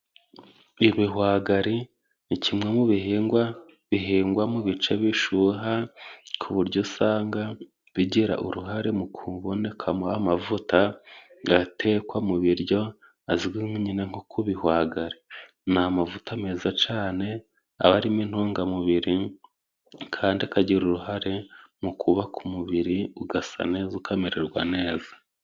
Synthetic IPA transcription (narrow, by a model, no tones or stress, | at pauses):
iβiɦwaːɡaɾi | nicʰimŋe̞muβihiːŋɡwa | βiɦiːŋɡwamuβit͡ʃe̞βiʃuɦakʰuβuɾɟosaːŋɡa | βiɟiɾa̰ʔṵɾuɦaɾe̞mukʰuβo̞ne̞kʰamuamavutaɡatʰe̞kwamuβiɾɟo̞ | aziɡwimuɲineŋ̥hokʰuβihwaːɡaɾe | namavutame̞ːzat͡ʃaːne̞ | a̰βaɾimin̥hoːŋɡamuβiɾi | kʰaːndiakaɟiɾuɾuɦaɾe̞mukʰuβakʰumuβiɾiuɡasa̰ne̞ːzakameɾeɾɡwane̞ːzḁ